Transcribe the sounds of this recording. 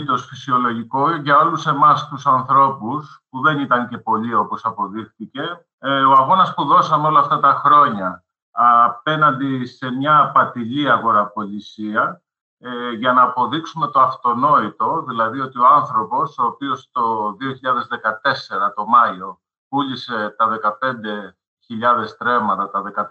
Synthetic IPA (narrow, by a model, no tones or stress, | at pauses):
t̪o̞sfisio̞lo̞ʝiko̞ʝɐo̞luse̞mɐst̪usɐnθɾo̞puspuðe̞nit̪ɐɲce̞po̞ʎio̞po̞sɐpo̞ðixθice̞ | o̞ɐɣo̞nɐspuðo̞sɐmeo̞lɐːft̪ɐt̪ɐxɾo̞ɲɐː | pe̞nɐnd̪ise̞mɲɐpɐt̪iliɐɣo̞ɾɐpo̞lisiɐ | ʝɐnɐːpo̞ðiksume̞t̪o̞ɐft̪o̞no̞it̪o̞ðilɐðio̞t̪io̞anθɾo̞po̞soːpio̞st̪o̞ðio̞çiʎɐðe̞zðe̞kɐt̪e̞se̞ɾɐt̪o̞mɐio̞ | puʎise̞t̪ɐðe̞kɐpe̞nd̪e̞ | çiʎɐðe̞st̪ɾe̞mɐt̪ɐt̪ɐðe̞kɐ